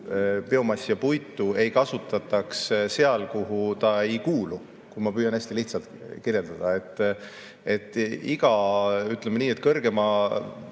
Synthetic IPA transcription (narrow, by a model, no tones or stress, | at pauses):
pe̞o̞mɑsːijɑpujt̪ːˑue̞jkɑsut̪ːˑɑt̪ːˑɑksse̞ɑlkuɦut̪ɑe̞jkuːlu | kuimɑpyːjɑnæsʲt̪iliht̪sɑlt̪kiɾje̞ld̪̥ɑd̪̥ɑe̞t̪ː | e̞t̪ˑːiɡ̥ɑyt̪ˑlemeniːe̞t̪kɤrɡ̥e̞mɑ